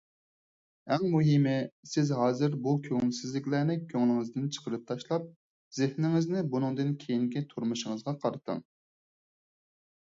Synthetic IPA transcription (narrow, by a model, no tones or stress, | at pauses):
ɛŋmuɦimɪsɪzɦɑːzɨɾbukʲʰøŋlsɪzlɪkʲlæːnɪkʲʰøŋlˠɪŋɨzd̪ɪnt͡ʃʰə̥qʰəɾɨp̚t̪ʰɑʃlˠɑp̚ | zɪhnɪŋɪznɪbunɨŋd̪ɨnkʲʰejinkʲit̪ʰuɾmuʃɪŋəzʁɑqʰɑɾɨt̪ʰɨ̰ŋ